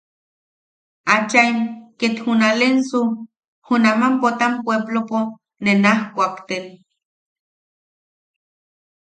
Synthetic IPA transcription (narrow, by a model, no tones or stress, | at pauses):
at͡ʃaimket̪xunalensu | hunamampot̪ampweblopo | nenahkʷakt̪en